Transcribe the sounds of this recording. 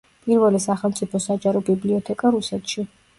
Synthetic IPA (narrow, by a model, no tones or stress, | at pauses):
pʼiɾvɛlisaχɛlˠmt̪sʼipʰɔsad͡ʒaɾɔbibliɔt̪ʰɛkʼaɾusɛt̪ʰʃi